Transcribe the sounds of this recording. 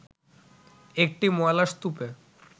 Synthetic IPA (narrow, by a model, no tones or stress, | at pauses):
ek̚ʈimɔelast̪upe